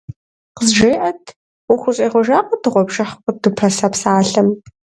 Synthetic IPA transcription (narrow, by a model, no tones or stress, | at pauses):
qəzʒeːʔɐtʰʷ | ʊxʷʊɕʼeːʁʷɔʒaːqʷʼɔdɨʁʷɔbʒɐħqʷədɨpʰɐsɐpsaːɬɐm